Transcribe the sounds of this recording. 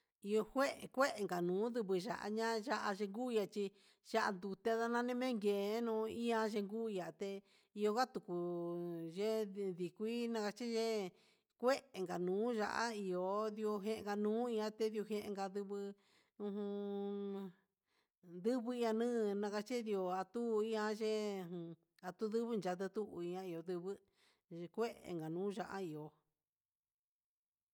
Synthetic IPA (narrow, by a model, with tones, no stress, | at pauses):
i˧o˧hʷe˦ʔkʷe˦ʔe˨ŋɡa˨nũː˨˦d̪ɨ˧βɨ˧ʒa̰˨ʔa̰˦ɲã˦ʒa˦ʔa˧ʒe˧ŋɡu˦i˧a˧t͡ʃi˧ | ʒ̥a˦ʔa̰˧nd̪u˧t̪e˧ða˦nã˧nẽ˦mẽ˦ŋɡe˨˦nũ˧i˦ã˧ʒe˧ŋɡu˦i˧ja˨t̪e˧ | i˧o˧ɡa˦t̪u˨ku˨ | ʒe˦ði˨kʷi˦nã˧ka˧t͡ʃi˦ʒe˦ | kʷe˦ʔe˨ŋɡa˨nũː˨˦ʒa̰˧ʔa̰˦i˧o˨˧ði˧o˧ɦẽ˧ʔŋɡa˧nũː˨˦i˧ã˦t̪e˦ðjo˧ɦẽ˧ʔḛ̃˧ŋɡa˧ðɨ˧βɨ˧ | ũ˧˦ɦũ˧ | d̪ɨ˦βɨ˧i˧ã˧nɨ̃ː˦˧nã˧ka˧t͡ʃi˦di˧o˧a˧t̪u˦˧i˦ã˧ʒẽ˦˨ | a˨t̪u˦ðɨ˦βɨ˦nd͡ʒa˧t̪̬ɨ˧t̪u˦ʔĩ˧ã˧i˧o˨˧ðɨ˧βɨ˦˧ | kʷe˦ʔḛ˨ŋɡa˨nũː˨˦ʒa˧ʔa̰˦i˨o˨